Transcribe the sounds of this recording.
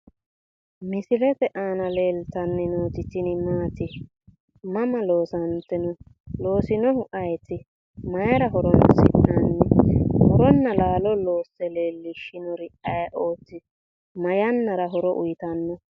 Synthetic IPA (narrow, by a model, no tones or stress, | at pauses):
mɪsɪlɛt̪ɛʔaːnɐle̞ːlt̪ɐnːɛnoːt̪ɪt̪ːɪnɪmaːt̪ɪ | mɐmɐlo̞ːsɐnt̪ːɛnɔ | lo̞ːsɪnɔhʊʔɐjt̪ːɪ | mɐjɾɐɦɔɾɔnsɪ̰ʔɐnːɛhɔɾɔnːɐlaːlɔloːsːɛle̞ːlːɪʃɪnɔɾɪʔɐjʔoːt̪ːɪ | mɐjɐnːɐɾɐɦɔɾɔʔʊ̰jɪt̪ɐnːɔ